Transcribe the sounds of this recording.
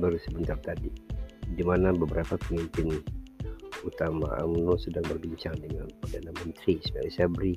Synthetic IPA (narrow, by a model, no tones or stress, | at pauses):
baɾusəbənt̪ap̚t̪adidimanabəbəɾʔapapəmimpɪn | ut̪ama̰ʔa̰mnosədaŋbərbiɲt͡ʃaŋdəŋanpərdanamənt̪ɾisma̰lisabɾi